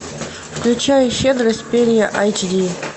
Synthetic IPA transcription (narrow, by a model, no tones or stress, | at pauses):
fklʲʉt͡ɕæjʊɕed̪ɾəsʲt̚ʲpʲeɾʲɪjəʔajt͡ʃdʲi